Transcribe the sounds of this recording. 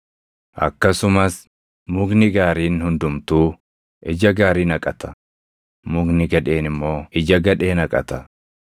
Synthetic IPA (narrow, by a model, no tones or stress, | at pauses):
ʔɐ̰kːɐsʊmɐs | mʊɡnɪɡaːɾiːnhʊnd̪ʊmt̪uː | ʔɪd͡ʒɐɡaːɾiːnɐkʼɐt̪ɐ̥ | mʊɡnɪɡɐᶑe̞ːnɪmːo̞ːɪd͡ʒɐɡɐᶑe̞ːnɐkʼɐ̰t̪ɐ